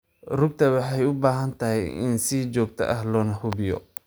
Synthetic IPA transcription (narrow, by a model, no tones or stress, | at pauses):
rʊɡ̚t̪ʰɐwɑħɑjʊbaːɦɐnt̪ʰɐɦɛjɪ̰nsit͡ʃɔːɡ̚t̪ʰɐ̰ʔɐhlɔːnɐhʊbɪjɔ̰